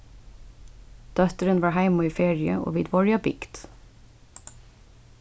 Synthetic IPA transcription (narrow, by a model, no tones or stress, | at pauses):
d̪̥œt̪ɾənʋɑːhæɪmɑiːfeːɹɪə̰ʔo̰ːʋiːd̪ʋɔɹɪɑbɪɡ̥d̪̥